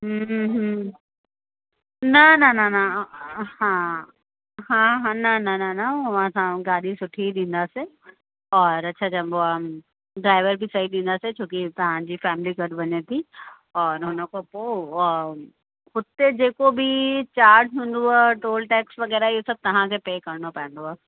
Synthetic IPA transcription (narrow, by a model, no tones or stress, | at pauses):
ɦɦ | nɐnɐnɐnɐ | hãː | ɦãɦãnɐnɐnɐnaɦɐʋ̤ãsãɡaːɗisʊʈʰid̪ĩːnd̪ase | ɔːɾɐtːʃʰad͡ʒɐboa | ɖɾaːɪʋəɾbʱisɐɦiɗ̪ĩːnd̪aset͡ɕʰõːkit̪ɐɦãd͡ʑifɛːmɪliɡɐɖʋɐɲet̪ʰi | ɔːɾɦʊnə̃kopo | xʊt̪ed͡ʑeːkobʱit͡ɕaːɾd͡ʒɦũːnd̪oaːʈoːlʈɛːksʋɐɡɛːɾaijesɐb̚t̪ɐɦãkʰepeːkɐɾnopɛ̃ːnd̪oaː